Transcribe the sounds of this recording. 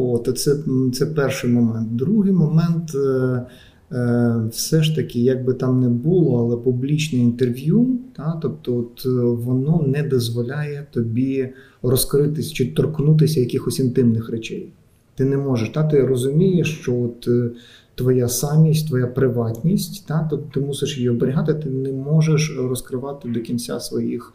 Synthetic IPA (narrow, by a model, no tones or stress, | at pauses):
ɔt̪ɐt̪sɛt̪sɛpɛrʂɪjmɔmɛnt̪̚d̪ɾuɦɪjmɔmɛnt̪ | wsɛʃt̪ɐkʲɪjɐɡ̚bɪt̪ɑmnɛbulˠɔɐlˠɛpublʲit͡ʃnɛint̪erʋʲjut̪ɑt̪ɔp̚t̪ɔɔt̪ʋɔnɔnɛd̪ɔzʋɔlʲajɛt̪ɔbʲi | rɔskɾɪt̪ɪsʲt͡ʃɪt̪ɔrknut̪̬ɪsʲɐjɐkʲɪxɔsʲɪnt̪ɪmnɪxrɛt͡ʃɛj | t̪ɪnɛmɔʒeʃt̪at̪ɪrɔzʊmʲijeʃt͡ʃɔɔt̪ː | ʋɔjasɑmʲisʲtʲt̪ʋɔjapɾɪʋɑtʲnʲisʲtʲt̪ɑt̪ɔt̪t̪ɪmusɪʃjijiɔbeɾʲɪɦɑt̪ɪt̪ɪnɛmɔʒeʃrɔskɾɪʋɑt̪ɪd̪ɔkʲinʲt͡sʲa̰sʋɔjix